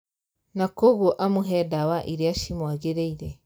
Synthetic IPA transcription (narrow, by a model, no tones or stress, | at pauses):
nakoɣoʔamuɦɛdawaʔiɾeaʃimwaɣeɾeiɾɛ